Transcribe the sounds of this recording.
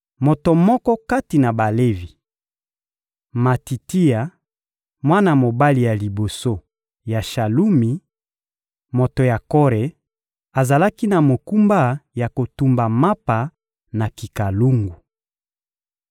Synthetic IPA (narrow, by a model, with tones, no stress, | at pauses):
mo˨to˨mɔ˦kɔ˦ka˦ti˨na˨ba˨le˦vi˨ | ma˨ti˨ti˦a˨ | mwa˦na˨mo˨ba˦li˨ja˨li˨bo˨so˦ | ja˨ʃa˨lu˦mi˨ | mo˨to˨ja˨ko˦ʁɛ˨ | a˨za˨la˦ki˦na˨mo˨ku˦mba˦ja˨ko˨tu˦mba˨ma˦pa˨ | na˨ki˨ka˨lu˦ŋɡu˨